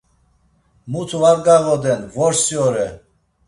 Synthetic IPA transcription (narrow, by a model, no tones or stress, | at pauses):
mut̪ʰvaɾɡaɣɔd̪ɛnvɔɾsjɔɾɛ